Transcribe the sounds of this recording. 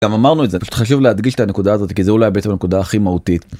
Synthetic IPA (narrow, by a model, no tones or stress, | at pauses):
amamaʁnuetzepaʃu̥t̪χaʃ̬uvlead̪ɡiʃet̪ane̞kud̪aːzo̞t̪i̥kizeulajbeet͡ssemne̞kud̪aːχimahut̪it̪